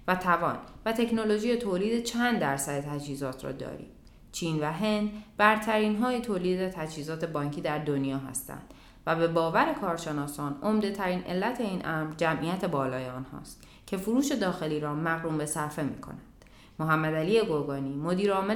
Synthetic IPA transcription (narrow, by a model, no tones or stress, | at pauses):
væt̪ʰævɒ̰ːnvæt̪ʰe̞cno̞loʒijet̪ʰoːliːd̪et͡ʃʰænd̪dːæɾsæd̪et̪ʰæd͡ʒhiːzɒːt̪ʰrɒ̰ːd̪ɒ̰ːɾḭː | t͡ʃʰiːnvæɦe̞nd̪bæɾt̪ʰæɾiːnɦɒːjet̪ʰoːliːd̪et̪ʰæd͡ʒhiːzɒːt̪ʰe̞bɒːŋcʰiːd̪æɾd̪o̞njɒːɦæ̰st̪æ̰nd̪̥ | væbe̞bɒːvæɾe̞kʰɒːɾʃe̞nɒːsɒːno̞md̪e̞t̪ʰæɾiːnʔe̞̰lːæt̪ʰe̞iːnʔæmɾd͡ʒæmʔijæt̪ʰe̞bɒːlɒːjeɒːnhɒ̰ːst̪ | cʰe̞fuɾuːʃe̞d̪ɒːxe̞liːɾɒːmæɣɾuːmbe̞sæɾfe̞mḭːkʰo̞̰nændd̪̥ | moɦæmːæd̪æliːjeɡo̞ɾɡɒːniːmo̞d̪iːɾɒːme